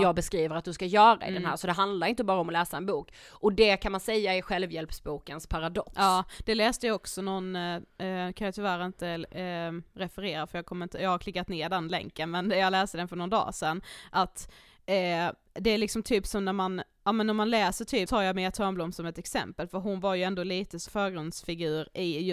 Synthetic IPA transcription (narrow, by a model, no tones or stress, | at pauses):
jɑːɡ̚bɛskɾiːvəɾat̪d̪ɵskajœːɾaɪ̰dɛnɦæ̰ːɾsɔd̪ɛɦand̪laɾɪnt̪əbɑːɾaɔmɔlɛːsaɛnbuːk | ʔɔd̪ɛkʰanmansɛjːaɪɧɛlvjɛlpsbuːkənspʰaɾad̪ɔkːɑːd̪̥ɛlɛːst̪əjaɔksɔnɔn | kʰanjat̪ʰʏvæːɾaɪnt̪ə | ɾɛfəɾeːɾafœɾjɑːɡ̚kʰɔməɾɪnt̪əjɑːɡhaɾk̪ʰɪkːat̪neːɖɛnlɛ̰ŋkːənmɛnjɑːlɛːst̪əd̪ɛnfœɳɔnd̪ɑ̰ːsɛnːʔat̪ː | d̪ɛæɾlɪksɔmt̪ʰyːpsɔmnæɾman | ʔɑːmɛnːæɾmanlɛːsəʈʰyːt̪ʰɑːɾjɑmeːt̪ʰɔɾmblɔmsɔmɛt̪ɛksɛ̰mpəlfœɾɦʊnvaɾjɵɛnd̪oːliːt̪əsfœːɾɡɾɵnd̪sfɪɡʉ̟ːɾɪj